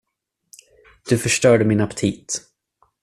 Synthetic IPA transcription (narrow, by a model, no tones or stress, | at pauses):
d̪̥ɵfœʂʈœːɖəmɪnapt̪ʰiːt̪